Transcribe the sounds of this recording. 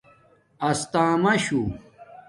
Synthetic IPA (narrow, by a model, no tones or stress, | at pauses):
ɐst̪ãːmɐɕu